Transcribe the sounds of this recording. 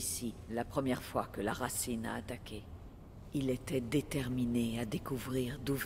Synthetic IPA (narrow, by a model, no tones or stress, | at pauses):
silapχəmjɛʁfwakəlaʁasina̰ːt̪akʲe | ilet̪ɛd̪et̪ɛʁminead̪ekuvʁiʁd̪uv